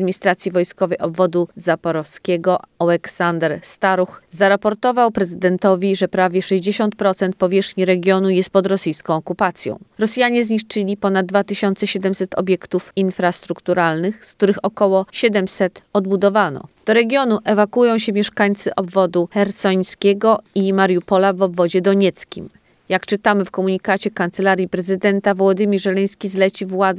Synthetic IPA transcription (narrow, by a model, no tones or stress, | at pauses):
d̪mʲiɲist̪ɾat̪sʲjivɔjskɔvɛjɔbvɔd̪uzapɔɾɔfskʲɛɡɔawɛksand̪ɛɾst̪aɾuxzaɾapɔɾt̪ɔvawpɾɛzɘd̪ɛnt̪ɔvʲiʐɛpɾavʲjɛʂɛʑd͡ʑeɕɔnt̪̚pɾɔt̪sɛnt̪̚pɔvʲjɛʂxɲiɾɛɡʲjɔnujɛst̪̚pɔd̪ɾɔsɘjskɔ̃w̃ɔkupat̪sʲjɔ̰̃w̃ɾɔsjaɲɛzɲiʂt͡ʂɘlʲipɔnad̪d̪ːvat̪ɘɕɔnt̪sɛɕɛd̪ɛmsɛt̪ɔ̰bʲjɛkt̪ufinfɾast̪ɾukt̪uɾalnɘxsk̚t̪uɾɘxɔkɔwɔɕɛd̪ɛmsɛt̪ɔd̪̚bud̪ɔvanɔ̰d̪̥ɔɾɛɡʲjɔnuʔɛvakujɔ̃w̃ɕɛmʲjɛʂkaɲt̪sɘʔɔbvɔd̪uxɛɾt̪sɔɲskʲɛɡɔimaɾjupɔlavɔbvɔd͡ʑɛd̪ɔɲɛt̪skʲḭm | jakt͡ʂɘt̪amɘfkɔmuɲikat͡ɕɛkant̪sɛlaɾʲjipɾɛzɘd̪ɛnt̪avwɔd̪ɘmʲiɾʐɛlɛj̃skʲizlɛt͡ɕivwad̪z